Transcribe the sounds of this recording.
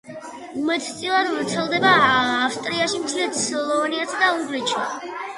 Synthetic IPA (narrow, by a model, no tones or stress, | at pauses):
umɛt̪ʰt̪sʼilˠad̪vɾt̪sʰɛlˠd̪ɛbaːfst̪ʼɾiaʃimt̪sʰilɛt̪slˠɔɔniasʰad̪auŋɡɾɛt͡ʃʰi